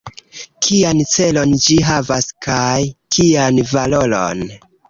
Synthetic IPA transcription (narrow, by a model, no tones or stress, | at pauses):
kʰiant͡se̞lo̞nd͡ʒiɦavaskʰajkʰianvalo̞lo̰n